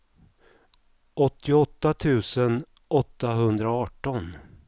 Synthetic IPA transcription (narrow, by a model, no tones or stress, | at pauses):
ʔɔt̪ːɪɔt̪ːat̪ʰʉ̟ːsən | ɔt̪ːaɦɵnd̪ɾaɔɑːʈɔn